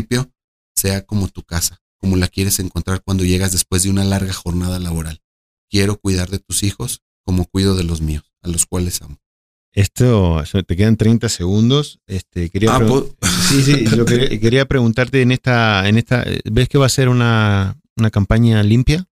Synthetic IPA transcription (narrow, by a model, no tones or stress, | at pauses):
ipjo̞ | se̞ako̞mo̞t̪ukasḁ | ko̞mo̞lakje̞ɾe̞se̞ŋko̞nt̪ɾaɾkwand̪o̞ʝe̞ɣazðe̞spwe̞zðeunalaɾɣaxo̞ɾnað̞alaβ̞o̞ɾal | kje̞ɾo̞kwiðaɾðe̞t̪usixo̞s | ko̞mo̞kwiðo̞ðe̞lo̞zmio̞salo̞skwale̞samos | e̞st̪osot̪e̞ke̞ðant̪ɾejnt̪ase̞ɣ̞und̪o̞sest̪ekeɾiaaɾesis̬id͡ʒokeɾike̞ɾiapɾe̞ɣunt̪aɾt̪e̞ːnest̪aene̞st̪a̰ḛbeske̞βase̞ɾuna | unakampaɲalimpja